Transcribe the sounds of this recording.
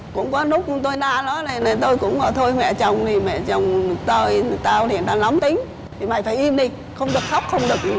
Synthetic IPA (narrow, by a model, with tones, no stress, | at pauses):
kʊ̰˧˥ŋ͡mkɔ˨˦nʊ˦˥k͡p̚t̪o˧jnaː˧nɔ˨˦na˨˩na˨˩t̪o˧jkʊ̰˧˥ŋ͡mʔəː˨˩t̪ʰo˧jmɛ̰˧˨t͡ɕə˨˩wŋ͡mt̪ʰi˨˩mɛ̰˧˨t͡ɕə˨˩wŋ͡mt̪o˧jt̪aː˧wlḭ˧˩ənt̪aː˧la˨˦mt̪ï˨˦ŋ̟ | t̪ʰi˨˩ma̰˧˨jfaː˧˩jʔi˧mɗi˧ | xə˧wŋ͡mɗɨ˨˩ək̚xa˦˥k͡p̚xə˧wŋ͡mɗɨ˨˩ək̚ʔi˧˩